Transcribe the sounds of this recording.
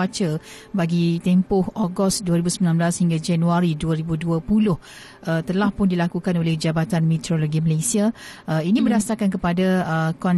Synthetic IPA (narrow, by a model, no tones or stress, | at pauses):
at͡ʃə | baɡit̪empʊhoɡɔsduaɾibusəminãnblashiŋɡad͡ʒanuaɾiduaɾibuduəpulʊh | ət̪əlahpʊndilakukanolɛhd͡ʒabat̪anmɛ̃t̪eɾoloɡiməlesiaəinimə̃dast̪arkankəpadaəkɔn